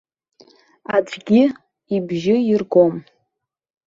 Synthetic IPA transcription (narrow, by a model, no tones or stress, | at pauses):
ad͡zʷʰʼɡʲɪ | ibʒɪirɡo̞m